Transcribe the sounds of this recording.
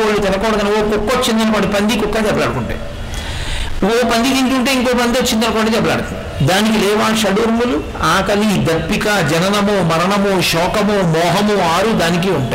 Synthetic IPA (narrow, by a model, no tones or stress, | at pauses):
oːlit̪ɛnɐkɔːɽɐɡ̪ɐnoːkukːot͡ʃːind̪ɐnɐkoːɳɖipɐnd̪ikukːat͡ʃɛbːɐlaːɽukuɳʈa̰ːj | oːpɐnd̪ikint̪uɳʈeːiŋkoːp̬ɐnd̪iot͡ʃːind̪ɐnɐkoːɳɖit͡ʃɛbːɐla̰ːɽut̪ɐ | d̪aːnikilɛːʋaːʃɐɽuɾmulu | aːkɐlid̪ɐpːikad͡ʒɛnɐnɐmomɐɾɐɳɐmuʃɔːkɐmumɔːɦɐmuaːɾud̪aːnik̬iuɳʈː